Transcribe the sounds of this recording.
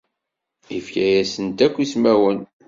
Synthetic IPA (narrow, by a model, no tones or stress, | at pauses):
ifkæjæsənt̪ækʷːismæwən